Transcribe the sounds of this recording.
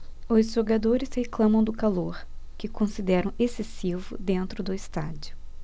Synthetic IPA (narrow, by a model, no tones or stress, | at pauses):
ʊzʒoɡad̪oɾɪsheklɐ̃mɐ̃w̃d̪ʊkaloɾkɪkõsid̪ɛɾɐ̃w̃esesivʊ̰d̪ẽnt̪ɾʊd̪ʊɪst̪a̰d͡ʒʊ